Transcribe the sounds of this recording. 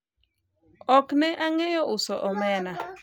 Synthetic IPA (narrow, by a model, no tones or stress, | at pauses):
ɔknɛʔaŋɛjɔʔʊsɔʔɔmɛna